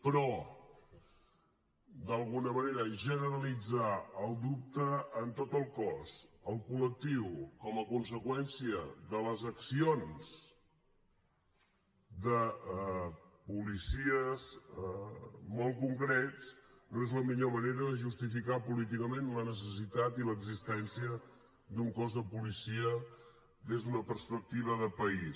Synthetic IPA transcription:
pɾɔ | d̪əlˠɣunəməneɾəʒənəɾəlid͡zaəlˠd̪up̚t̪əːnt̪ot̪əlˠkɔsəlˠkulək̚t̪iwkɔməkuns̬əkwɛnsiəðələzəksionz̥ | d̪ə | pulisiəz | mɔlˠkuŋkɾett͡snoezləmiʎoməneɾəðəʒust̪ifikapulit̪ikəmenlənəs̬əs̬it̪at̪iləɡzist̪ɛnsiə | d̪uŋkɔzðəpulisiə | d̪ezðunəpəɾspək̚t̪iβ̞əðəpəis

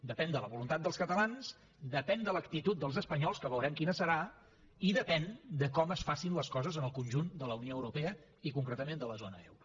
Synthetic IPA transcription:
d̪əpɛnd̪ələβulunt̪at̪̚d̪əlˠskət̪əlanz̥ | d̪əpɛnd̪ələkt̪it̪ut̪̚d̪əlˠzəspəɲɔlˠskəβəwɾɛmkinəsəɾa | iðəpɛnd̪əkɔməsfasinləskɔzəzənəlˠkunʲʒund̪ələunioəwɾupeə | ikuŋkɾət̪əmend̪ələzonəɛ̰wɾu

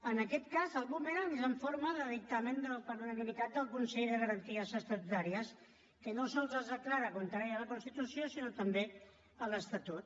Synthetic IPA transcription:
ənəkɛt̪kazəlˠɣumeɾəmizəɱfoɾməðəðik̚t̪əmend̪əlˠpəɾunənimit̪at̪̚d̪əlˠkunsɛʎðəɣəɾənt̪iəzəst̪at̪ut̪aɾiəs | kənosɔlˠzəzðəklaɾəkunt̪əɾɛjələkunst̪it̪usiosinot̪əmbe | ələst̪at̪ut̪

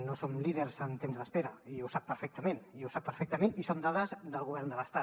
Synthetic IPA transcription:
nosomliðəɾzənt̪emzðəspeɾəiusapːəɾfɛk̚t̪əmeniuwsapːəɾfɛk̚t̪əmenisomd̪aðəzd̪əlˠɣuβɛrnd̪ələst̪a

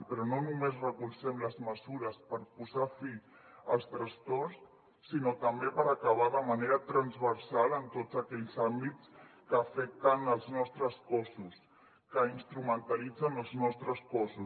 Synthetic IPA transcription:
pɾɔnonumezrəkulˠsɛmləzməzuɾəspəɾpuzafi | əlˠst̪ɾəst̪ɔrsː | inot̪əmbepəɾəkəβ̞aðəməneɾət̪ɾənzβəɾsalənt̪od͡zəkɛʎzambit͡skəːfɛk̚t̪ənəlˠznɔst̪ɾəskɔsus | kəinst̪ɾumənt̪əlid͡zənəlˠznɔst̪ɾəskɔsu

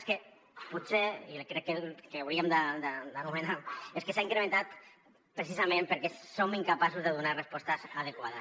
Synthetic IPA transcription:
ske | put̪seilkɾɛkːekeawɾiamd̪ad̪əd̪anumenaueskesaiŋkɾemẽnt̪at̪ | pɾesizamẽmpəɾkɛsomiŋkapasuzðeðunarespɔst̪azað̞ekwaða

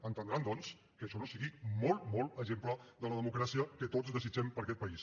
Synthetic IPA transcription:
ənt̪ənd̪ɾand̪ɔns | kəʃɔnosiɣimɔlˠmɔlˠəʒempləðələðəmukɾasiəkət̪otzðəzid͡ʒɛmpəɾkɛt̪̚pəis

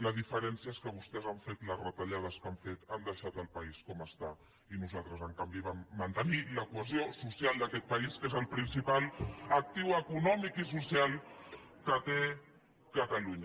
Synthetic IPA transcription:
ləzðifəɾɛnsiəeskəβ̞ust̪ɛzaɱfet̪ləzrət̪əʎað̞əskaɱfet̪and̪əʃat̪əlˠpəiskɔməst̪a | inuzalˠt̪ɾəzəŋkambiβamːənt̪əniləkwəzjosusialˠd̪əkɛt̪̚pəiskezəlˠpɾinsipalək̚t̪iwəkunɔmikisusjalˠ | kət̪e | kət̪əluɲə

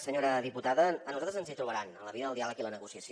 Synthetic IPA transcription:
səɲoɾəðiput̪aðəənuzat̪ɾəzənzit̪ɾuβəɾanənləβiðəðəlˠd̪ialəkilənəɣusiəsio

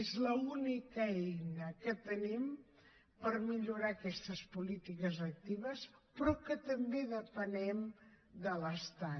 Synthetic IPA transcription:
ezləunikəɛjnəkət̪ənim | pərmiʎuɾaːkɛst̪əspulit̪ikəzək̚t̪iβ̞əspɾɔkət̪əmbeðəpənɛmd̪ələst̪a

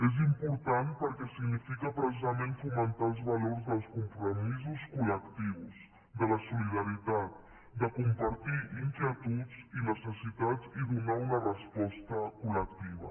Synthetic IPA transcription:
ez̬impuɾt̪anpəɾkɛsiɡnifikəpɾəs̬izəmenfumənt̪aəlˠzβəloɾzðəlˠskumpɾumizuskuləkt̪iwz | d̪ələsuliðəɾit̪at̪̚ | d̪əkumpəɾt̪iiŋkjət̪ud͡zinəsəsit̪aziðunaunərəspɔst̪əkulək̚t̪iβ̞ə̰

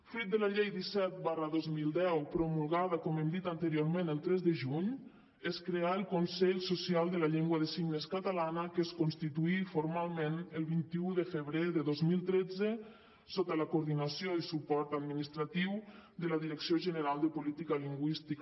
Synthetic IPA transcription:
fɾit̪̚d̪əlaʎejd̪isɛt̪̚barəðozmilˠd̪ɛwpɾomulˠɣaðəkɔmɛmd̪it̪ant̪əɾioɾmenəlˠt̪ɾɛzðəʒuɲ | eskɾeaəlˠkonsɛʎsosialˠd̪əlaʎeŋɡwəðəsiɡnəskat̪alanəkəskonst̪it̪uifoɾmalˠmenəlˠβint̪iuðəfəβɾeðəðozmilˠt̪ɾed͡zə | sot̪alakuɾðinasjoisupɔɾt̪ad̪minist̪ɾat̪iwd̪əlaðiɾəksioʒənəɾalˠd̪əpulit̪ikaliŋɡwist̪ik

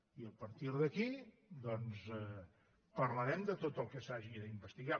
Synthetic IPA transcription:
iəpəɾt̪iɾðəki | d̪ɔnzɛ | pəɾləɾɛmd̪ət̪ot̪əlˠkəsaʒiðəimbəst̪iɣa

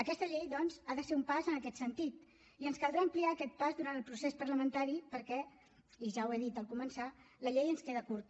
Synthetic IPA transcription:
əkɛst̪əʎejðɔnzaðəseumpazənəkɛt̪sənt̪it̪ | iənskəlˠd̪ɾaəmpliaːkɛt̪̚pazðuɾant̪əlˠpɾusespəɾləmənt̪aɾipəɾkɛ | iʒaweðit̪əlˠkumənsaləʎejənskeðəkuɾt̪

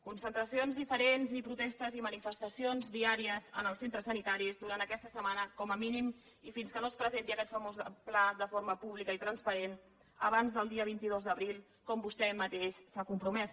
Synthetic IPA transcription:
kunsənt̪ɾəsionzðifəɾenzipɾut̪ɛst̪əzimənifəst̪əsionzðiaɾiəzə̰nəlˠsent̪ɾəsənit̪aɾizd̪uɾant̪əkɛst̪əsəmanəkɔməminim | ifinskənospɾəzent̪iəkɛt̪fəmozəpladəfoɾməpuβ̞likəit̪ɾənspəɾen | ə̰β̞anzðəlˠd̪iəβ̞int̪ið̞ozd̪əβɾilˠ | kɔmbust̪ɛmːət̪eʃsakumpɾumɛs

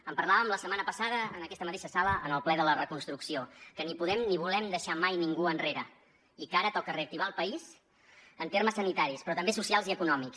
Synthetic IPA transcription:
əmpəɾlaβəmləsəmanəpəsaðəənəkɛst̪əmət̪eʃəsaləənəlˠplɛðələrəkunst̪ɾuksiokənipuðɛmniβ̞ulɛmd̪əʃamajniŋɡuənreɾə | ikaɾət̪ɔkəreəkt̪iβaəlˠpəiz | ənt̪erməsːənit̪aɾispɾɔt̪əmbesusialˠziəkunɔmiks

